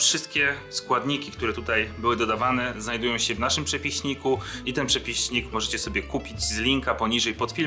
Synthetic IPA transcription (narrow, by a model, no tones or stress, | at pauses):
fʂɘst̪kʲɛskwad̪ɲikʲikt̪uɾɛt̪ut̪ajbɘwɘd̪ɔd̪avanɛznajd̪ujɔ̃w̃ɕɛvnaʂɘmpʂɛpʲiɕɲikuit̪ɛnpʂɛpʲiɕɲikmɔʐɛt͡ɕɛsɔbʲjɛkupʲid͡ʑzlʲiŋkapɔɲiʐɛjpɔt̪fʲi